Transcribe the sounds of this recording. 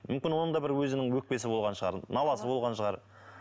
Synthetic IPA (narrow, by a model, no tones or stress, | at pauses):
mʏmkʲɪnwo̞nənd̪ɑbɪɾwɵzɪnɪŋwɵk̚pe̞sɪbo̞lˠʁɑnʃəʁɑ̰ɾnɑlˠɑsəbo̞lˠʁɑnʃəʁɑɾ